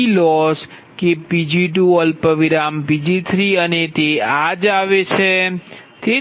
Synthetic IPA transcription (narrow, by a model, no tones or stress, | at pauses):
lɔs | kepid͡ʒiʈuəlpəʋiɾampid͡ʒit̪ʰɾiənet̪ead͡ʒaʋet͡ʃʰe | t̪e